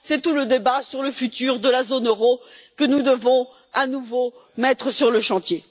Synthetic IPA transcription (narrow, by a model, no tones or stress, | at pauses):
sɛt̪uləd̪ebasyʁləfyt̪yːʁd̪əlazonøʁokənud̪əvɔ̃ | anuvomɛt̪χəsyʁləʃɑ̃t̪je